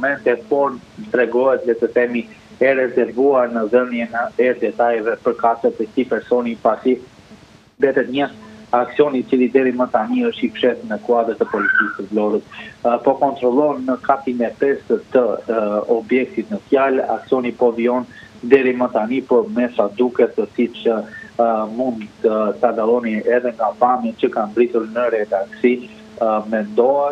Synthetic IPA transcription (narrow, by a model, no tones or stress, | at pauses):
umɛnt̪ɛpɔɾt̪ɾɛɡɔɦɛt̪vɛt̪əθɛmi | ɛrɛzɛɾvuaɾnəðəmjɛnəɛɾd̪ɛt̪ajɛvɛpəɾkasət̪ɛt̪ipɛɾsɔnipasi | bɛt̪ɛt̪ɲəaksiɔnit͡silˠid̪ɛɾimət̪aniəʃt̪ipʃɛt̪nəkuad̪əɾt̪əpɔlit̪ikəslɔɾət̪pɔkɔnt̪ɾɔlˠɔnːəkat̪imɛpɛsət̪əɔbjɛk̚t̪it̪nəfjala̰ksiɔnipɔviɔn | d̪ɛɾimət̪anipɔɾmɛsad̪ukɛt̪əsit͡ʃə | mund̪t̪ət̪ad̪alˠɔniɛðɛŋɡabamit͡ɕəkanbɾit̪uɾnəɾɛd̪aksi | mɛnd̪ɔɛ